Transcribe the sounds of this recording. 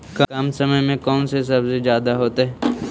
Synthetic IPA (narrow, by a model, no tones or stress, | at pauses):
kɐkɐmsɐməjmẽkɔːnses̬ɐbzed͡ʒjaːd̪aɦoːt̪eɦɛː